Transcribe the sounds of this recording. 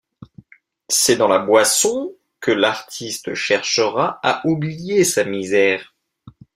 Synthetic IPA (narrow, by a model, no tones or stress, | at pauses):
sɛd̪ɑ̃labwasɔ̃ | kəlaʁt̪ʰist̪əʃɛʁʃəʁaaʔublijesamizɛːʁ